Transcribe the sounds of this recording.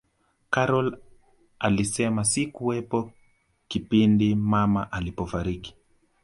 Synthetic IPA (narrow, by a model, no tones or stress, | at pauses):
kaɾɔl | alisɛmasikuwɛpɔ | kipindimamaʔalipɔfaɾiki̥